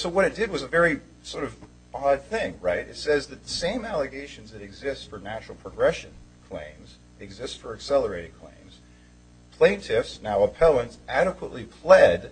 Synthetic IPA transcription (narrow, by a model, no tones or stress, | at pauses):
soʊwʌɾɨt̚d̥ɨd̚wʌzəvɛɹi | sɔɹɾʌv | ɑd̪̚θɪ̃ŋɹaɪɾɨ̰tsɛzðɨt̪̚ðəsẽɪ̃mælˠəɡeɪʃɨ̃n̩zðɨɾɨɡzɪstfə˞næt͡ʃɹl̩ˠpʰɹ̥əɡɹɛʃɨ̃nkʰl̥ḛ̃ɪ̃mz | ɨɡzɪstfə˞ɨksɛlˠə˞eɪɾɨ̃d̚kʰl̥ḛ̃ɪ̃mz̥ | pʰl̥ẽɪ̃ntʰɪfsnaʊəpʰɛlˠə̃ntsʔæɾɨkwəʔlipʰl̥ɛd